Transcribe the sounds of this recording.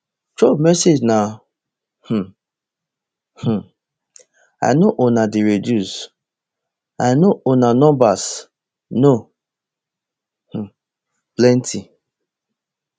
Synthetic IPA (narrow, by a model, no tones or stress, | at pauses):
tomɛsed͡ʒna | h̩ | h̩ | a̰jnoʔonadiɹedus | ajnoonanɔ̃mbas | no | h̩ | plɛntʰi